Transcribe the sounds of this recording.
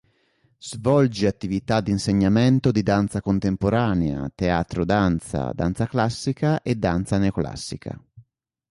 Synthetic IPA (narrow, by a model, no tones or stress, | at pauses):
z̥vɔld͡ʒiat̪ːivit̪ad̪ːinseɲːamɛnt̪od̪id̪ant̪sakont̪empoɾaːnea̰t̪eaːt̪ɾod̪ant̪sa̰d̪a̰nt̪saklasːikaʔed̪ːant̪sanekla̰sːikʰa̰